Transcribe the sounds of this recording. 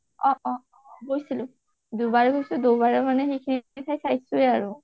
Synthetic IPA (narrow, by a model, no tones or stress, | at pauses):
ɔ̃ʔɔ̃ | ɡojsilʊ | d̪ubaɹɛɡojsud̪obaɹɛmanɛxejkʰiniit̪ʰajsʰajsuɛaɹu